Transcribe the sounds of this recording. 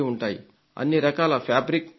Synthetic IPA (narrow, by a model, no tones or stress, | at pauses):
iuɳʈaːjḭ | ɐ̰nːiɾɐkaːlɐpʰjaːbɾik̚